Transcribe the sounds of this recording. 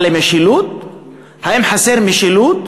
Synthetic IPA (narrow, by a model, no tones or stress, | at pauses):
lemɪʃiluːt̪̚ | haʔɪmħaseɾmɪʃiluːt̪̚